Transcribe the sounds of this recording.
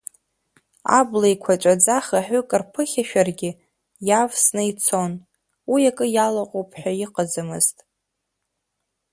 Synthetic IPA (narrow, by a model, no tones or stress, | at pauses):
a̰blejkʷʰat͡ʃʷʼad͡zaχaħʷᶣʊkʼɨrpʰɨχʲaʃᶣarɡʲɪ | javsnɨit͡sʰo̞n | wijakʼɨjalaqʼowpʼħʷᶣajiqʼad͡zɨmɨ̰ztʼ